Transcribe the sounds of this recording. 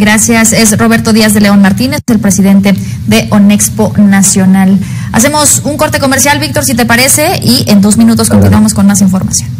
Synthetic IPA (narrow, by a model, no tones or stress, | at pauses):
ɡɾasjase̞sro̞β̞e̞ɾt̪o̞ðiazðe̞leo̞nmaɾt̪ine̞se̞lpɾe̞siðe̞nt̪e̞ | ðe̞ʔonekspo̞nasjo̞nal | a̰se̞mo̞suŋko̞ɾt̪e̞ko̞me̞ɾsjalβik̚t̪o̞ɾsit̪̬e̞paɾe̞se̞ie̞nd̪o̞zmĩnut̪̬o̞sko̞nt̪inuwamo̞sko̞nmasiɱfo̞ɾma̰sjon